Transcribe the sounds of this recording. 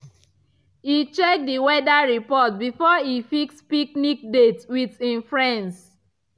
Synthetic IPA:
hit͡ʃɛk̚diwɛdaɹipɔt̚bifɔifikspiknik̚detwiðĩnfɹɛ̃ns

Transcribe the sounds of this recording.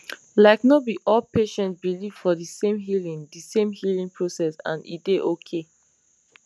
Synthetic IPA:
laɪknɔt̚biʔɔlpeʃɛ̃ntsbiliv̥fɔðisẽmɦilĩŋdisẽmhilĩŋpʰɹosɛsã̰nḭdeʔokʰe

